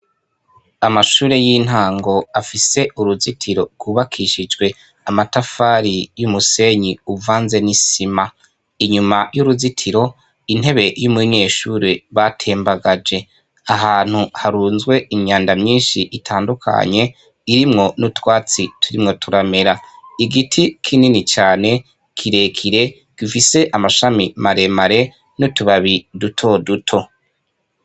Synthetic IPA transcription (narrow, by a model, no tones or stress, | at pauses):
amaʃuːɾe̞jiːn̥haːŋɡo̞afise̞ʔuɾuzitʰiɾo̞ɾɡ̥wuβakʰiʃid͡ʒɡwe̞ | amatafaɾijumuse̞ɲiuvaːnze̞nisima | iɲumajuɾuzitʰiɾo̞ | in̥he̞βe̞jumiɲe̞ːʃuɾe̞βatʰe̞ːmbaɡad͡ʒe̞ | aɦaːn̥huhaɾuːnzwe̞iɲaːndamɲiːnʃiʔitʰaːndukʰa̰ɲe̞ | iɾimŋo̞nutwaːt͡sitʰuɾimŋo̞tʰuɾame̞ɾaiɡitʰikʰininit͡ʃaːne̞ | kʰiɾe̞kʰiɾe̞ | ɡ̥ifise̞ʔamaʃamimaɾe̞maɾe̞ | nutuβaβidutʰo̞dutʰo̞